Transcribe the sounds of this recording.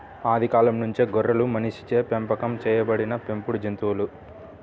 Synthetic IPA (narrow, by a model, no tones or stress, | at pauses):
aːd̪ʱikaːlɐmnuɲt͡ʃeɡɔɾːɐlumɐniʃi̥t͡ʃeːpempɐkɐmt͡ʃɛːjɐbɐɽinɐpe̞mpuɽud͡ʒent̪uːlu